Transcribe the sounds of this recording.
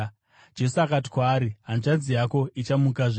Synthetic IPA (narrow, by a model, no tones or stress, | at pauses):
d͡ʒe̞suakati̥kwaːɾiɦanut͡ʃad͡zijako̞ʔit͡ʃamukaʐe